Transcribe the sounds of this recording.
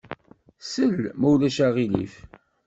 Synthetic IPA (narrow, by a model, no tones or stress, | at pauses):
səlmæwlæʃæʁilḭf